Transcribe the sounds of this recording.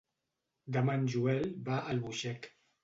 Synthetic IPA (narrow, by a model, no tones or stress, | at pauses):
d̪amanʒuɛlbaʔəlβuʃɛk